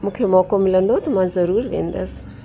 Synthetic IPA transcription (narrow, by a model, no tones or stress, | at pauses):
mukʰemokomilʲɐnd̪ot̪umanzɐɾuɾvḛnd̪ɐs